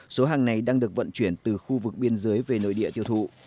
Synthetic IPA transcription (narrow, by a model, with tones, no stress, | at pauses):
so˨˦ɦaː˨˩ŋna˨˩jɗaː˧ŋɗɨ˨˩ək̚və̰˧˨nt͡ɕwi˧˩ənt̪ɨ˨˩xu˧vɨ˨˩k̚ɓi˧ənzəː˨˦jve˨˩no̰˧˨jɗḭ˧˨ət̪ʰi˧wt̪ʰṵ˧˨